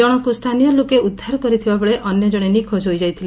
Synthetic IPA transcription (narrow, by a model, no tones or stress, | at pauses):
ɔɽ̃ɔkust̪ʰanijɔlokeud̪ʱːaɾkɔɾit̪ʰibabɔɭeʔɔnjɔd͡ʒɔɽ̃enikʰod͡ʒɦojd͡ʒajt̪ʰil